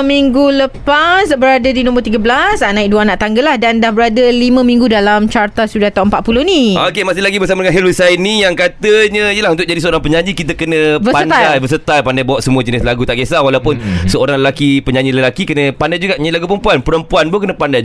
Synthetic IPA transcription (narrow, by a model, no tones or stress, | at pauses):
miŋɡuləpasbəɾadədinɔ̃mbərt̪iɡəblasanãik̚duanaʔt̪aŋɡəlahdandahbəɾadəlimə̃mĩŋɡudalamt͡ʃart̪asudaht̪awʔəmpat̪̚pulʊhniokemasɪlaɡibəsamadəŋãnɦɛlusainːijaŋkat̪əɲə̃ijəlahunt̪ʊk̚d͡ʒadisəoɾaŋpəɲãɲd͡ʒikit̪əkənə̃bbəpant̪dajajbəs̬ət̪ajpandajbawaʔsəmuəd͡ʒənɪslaɡut̪aʔɡjasawalawpʊnsəoɾaŋləlakipəɲãɲd͡ʒiləlakikənə̃pandajd͡ʒuɡaʔɲailaɡupəɾəmpuanpəɾəmpuanbokənəpandaj